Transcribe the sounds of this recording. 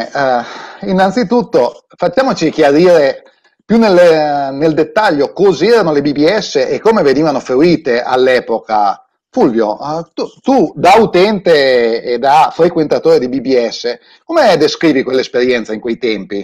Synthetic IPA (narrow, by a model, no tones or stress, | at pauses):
inːant̪sit̪ut̪ːo | fat͡ʃːaːmot͡ʃik̟jaɾiːɾe | pjunːelːneld̪et̪ːaʎːokɔzeɛːɾanolebibiɛsːeʔekːomeveniːvanofeɾiːt̪eʔa̰lːɛːpoka̰ | fulvjo̰t̪ut̪ud̪aut̪ɛnt̪eːd̪afɾekwent̪at̪oːɾed̪ibibiɛsːe | komed̪eskɾiːvikwelːaespeɾjɛnt̪saiŋkwejt̪ɛmpi